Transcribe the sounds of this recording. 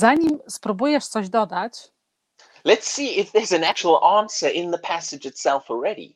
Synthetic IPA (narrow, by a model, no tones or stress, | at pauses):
zaɲimspɾubujɛʂt̪sɔʑd̪ɔd̪at͡ɕ | lətsiːɪfðəzə̃nak̚t͡ʃəwəl̩ˠʔɑ̃ˑnsə˞ʔɪ̃nðəpʰæsɪd͡ʒɨtsɛlˠfl̩ˠɹɛɾḭ